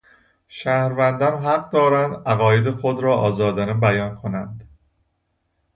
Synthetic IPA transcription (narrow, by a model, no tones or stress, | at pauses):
ʃæːhɾvænd̪ɒːnɦæɡ̚d̪ɒːɾænd̪ʔæɣɒːjed̪exod̪ɾɒːʔɒːzɒːd̪ænebæjɒːnkʰo̞nænd̪